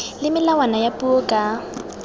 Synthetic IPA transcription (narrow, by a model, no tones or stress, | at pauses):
lɪmɪlawanajapʼuokʼa